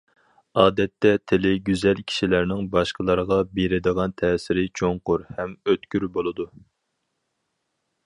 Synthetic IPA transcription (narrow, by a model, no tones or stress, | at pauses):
ɑːd̪ɛt̪ʰːɛt̪ʰɪlɪɡʲyzɛlkʲʰi̥ʃilæɾnɪŋbɑʃqəlˠɑɾʁɑbeɾɪd̪əʁɑnt̪ʰɛːsɪɾɪt͡ʃʰoŋqʊɾhɛmøt̪kʲyɾbolˠɨd̪u